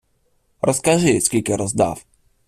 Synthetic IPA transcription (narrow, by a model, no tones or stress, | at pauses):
ɾɔskaʒɪskʲilʲkɛɾɔzd̪a̰f